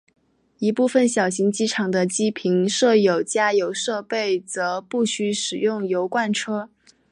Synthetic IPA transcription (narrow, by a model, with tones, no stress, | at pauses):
i˧˥pu˥˩fə˩nɕjɑ˨˩ʊɕi˧˥ŋt͡ɕi˥ʈ͡ʂʰɑ˨˩ŋd̪ə˦t͡ɕi˥pʰi˧˥ŋʂɤ˥˩jo˨˩ʊt͡ɕja˥jo˧˥ʊʂɤ˥˧pe˥˩ɪt͡sɤ˧˥pu˥˩ɕy˥ʂɻ̩˨˩jʊ˥˩ŋjo˧˥ʊkwa˥˩nʈ͡ʂʰɤ˥